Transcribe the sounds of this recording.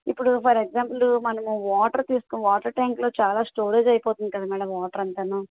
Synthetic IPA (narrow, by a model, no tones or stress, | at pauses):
ipːuɽupʰɐɾeɡzaːmplumɐnɐmuʋaːʈɐɾt̪iːsu̥konʋaːʈɐɾʈaːŋklo̞ːt͡ʃaːlaːsʈoːɾeːd͡ʒɐjpoːt̪und̪ikɐd̪aːmiːɽɐʋaːʈɐɾɐnt̪ɐnaː